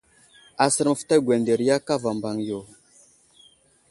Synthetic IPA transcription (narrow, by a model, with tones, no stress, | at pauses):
a˨sə˨ɾm˨fta˦ɡʷwɛ˨nde˨ɾja˦ka˦va˨mba˨ŋjo˨